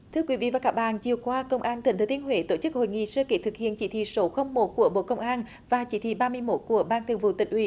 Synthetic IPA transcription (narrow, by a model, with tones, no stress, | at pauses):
t̪ʰɨ˧əkwi˨˦vḭ˧˨vaː˨˩kaː˦˥k̚ɓa̰ː˧˨nt͡ɕi˨˩əwkwaː˧kə˧wŋ͡mʔaː˧nt̪i˨˩ŋt̪ʰt̪i˧˦ənɦwe˧˦t̪o˧˩t͡ɕɨ˦˥k̚ho̰˧˨jŋḭ˧˨səː˧ke˧˩˥t̪ʰɨ˨˩k̚hḭ˧˨ənt͡ɕi˧˩˦t̪ʰḭ˧˨so˨˦xə˧wŋ͡mmo˨˩t̚ku˧˩əɓo̰˧˨kə˧wŋ͡mʔaː˧n | vaː˨˩t͡ɕi˧˥t̪ʰḭ˧˨ɓaː˧mɨ˧əjmo˦˥t̚ku˧˩əɓaː˧nt̪ʰɨ˨˩ŋvṵ˧˨t̪ï˨ŋ̟ʔwi˧˩˨